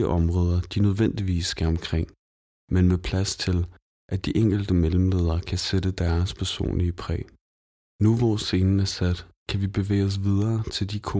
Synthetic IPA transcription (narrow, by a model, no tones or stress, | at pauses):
əʔɒ̽mʁɔːð̞ˠɐd̥inøð̞ˠʋen̰d̥iʋḭːsːɡ̥æɐɒ̽mkʰʁeŋ̰ | menmepʰlæst͡sʰe̝l | ʔæd̥iʔeŋ̰ɡ̥l̩d̥əmeləm̩le̝ːð̞ˠɐːkʰæsed̥əd̥æɐspʰæɐso̝̰ːnliəpʰʁɛ̰ː | nuʋɒse̝nn̩æɐsæd̥kʰæʋib̥e̝ʋḛːɪɒs̬ʋið̞ˠɐːt͡sʰe̝ld̥ikʰo